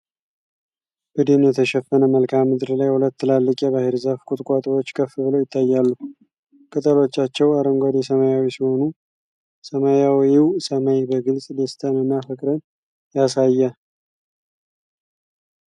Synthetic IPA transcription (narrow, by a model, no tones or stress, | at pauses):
b̥əd̪enjɛt̪ʰəʃɛfːənəməlkʰamːɨd̪ɾlajhulət̪ːɨlalːɨkʼjɛβaheɾzəfkʼʊt̪ʼkʷʼat̪ʼwo̞t͡ʃːkʰəfːɨbɨlojɪt̪ʰːajːalːu | kʼət̪ʼəlo̞t͡ʃːat͡ʃːɛwaɾəŋɡʷad̪ɛsəmajawisiho̞nu | səmajawiwsəmajbəɡɨlsʼd̪est̪ʼʰəmənːafəkʼɾən | jasajːə